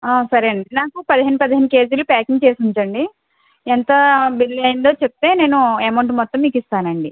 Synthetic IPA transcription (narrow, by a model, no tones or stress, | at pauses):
aːsɐɾɐɳɖinaːkupɐd̪iɦenːupɐd̪iɦenːuke̞ːd͡ʒulupaːkiŋɡt͡ʃe̞ːsuɲt͡ʃɐɳɖi | ɛnt̪ɐbilːɐjind̪o̞ːt͡ʃep̚t̪e̞ːne̞ːnuemɐwɳʈmɔt̪ːɐmːiːkist̪aːnɐɳɖi